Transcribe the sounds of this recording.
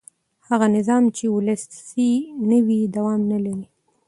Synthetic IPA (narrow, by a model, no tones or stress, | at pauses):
haɣanɪzɑmt͡ʃewʊləssinəwid̪awɑmnalaɾi